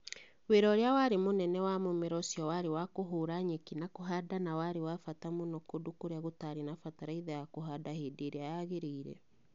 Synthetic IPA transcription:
weɾɔɾeawaɾemonɛnɛwamomeɾɔsiɔwaɾewakoɦoːɾaɲekinakoɦadanawaɾewafatamonɔkodokoɾeaɣotaɾenafataɾaiðɛjakoɦadahedeɾeajaɣeɾiːɾɛ̰

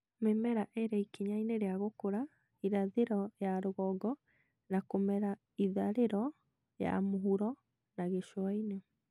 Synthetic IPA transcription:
memɛɾaʔeɾɛikiɲaineɾeaɣokoɾa | iɾaðeɾɔjaɾoɣɔɡɔ | nakomɛɾa | iðaɾeɾɔ | ja̰moɦuɾɔ | naɣeʃwaine

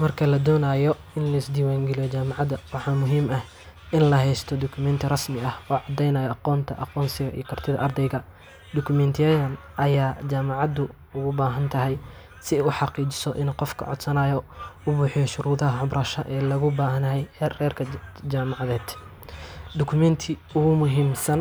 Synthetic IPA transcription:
mɐrkʰɐlɐd̪ɔːnaːjɔ | ɪnlɐɪsd̪iːwaːŋɡɛlijɔt͡ʃaːmɑʕɑd̪ɐwɑħɑːmʊɦiːmɐh | ʔɪnlɐɦɛjst̪ʰɔd̪ɔkʰʊmɛnt̪ʰɪrɐsmɪɐhɔːʕɑd̪ːɛjnɐjɔɑqɔːnt̪ʰɐʔɑqɔːnsɪɣɐʔḭjɔkʰɐrt̪ʰɪðɐ̰ʔɐrd̪ɛjɣɐ | d̪ʊkʰʊmɛnt̪ʰjɛjɐn | ʔɐjaːd͡ʒaːmɑʕɑd̪ʊ | ʊɣʊbaːɦɐnt̪ʰɐɦɛj | sɪɛʊħɑqiːt͡ʃɪsɔʔɪ̰nqɔfkʰɐ̰ʕɔ̰d̪sɐnaːjɔʊbuːħɪjɔʃʊɾuːðɐɦɐʕʊbrʔɐːʃɐʔɛːlɐɣʊbaːɦɐnɐɦɛjrɛːrkʰɐd͡ʒaːmɑʕɑðɛːd̪̥ | d̪ɔkʰʊmɛnt̪ʰɪ | ʊɣʊmʊɦiːmsɐn

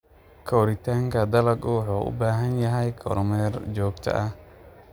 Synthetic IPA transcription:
kʰɔwɾɪt̪aːŋkɐd̪ɐlɐɡɔːħɔʔṵbaːɦɐnjɐɦɐjkʰɔ̰ɾmɛɾd͡ʒɔːɡt̪ʰɐ̰ʔɐ

